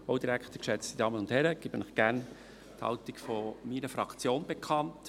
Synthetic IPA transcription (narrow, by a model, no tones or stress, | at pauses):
oʊdiɾækχt̪əkʃɛt͡stid̥ɑːmənʊnthɛɾəɡ̥iːbənɪχɡ̥æɾn | t̪hɑ̰ltikfɔminəfɾɑkʰt͡sjoːnbekʰɑnt